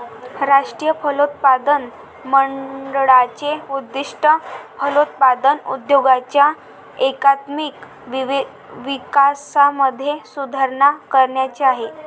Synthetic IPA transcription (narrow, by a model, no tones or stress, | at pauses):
ɾaʂʈɾijəpʰəlot̪̚pad̪ən | məɳɖɭat͡ɕeud̪ːiʂʈəpəlot̪̚pad̪ənṵd̪joɡat͡ɕja | ekat̪mik | ʋ | ʋikasaməd̪ʱːjesud̪ʱaɾɳakəɾɳjat͡ɕeaɦe